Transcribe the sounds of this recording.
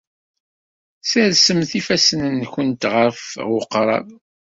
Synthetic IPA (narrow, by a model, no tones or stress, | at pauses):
səɾsəmθifæsənənçənt̪ʁəɾfʁʊqɾˤɑ̰ð